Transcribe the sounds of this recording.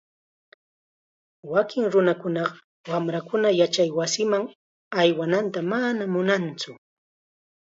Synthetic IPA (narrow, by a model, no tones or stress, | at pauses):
wakɪŋɾʊnakʊnɑɢɑ | wamɾakʊnajat͡ʃajwasɪmaŋ | ajwanant̪amanamʊnant͡sʊ